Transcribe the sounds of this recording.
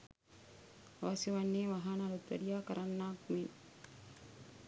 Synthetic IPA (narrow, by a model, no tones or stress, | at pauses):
ɐʋasjɐʋanːeːʋaɦanaɾut̪ʋɐ̰ɽijaːkɐɾanːaːkmen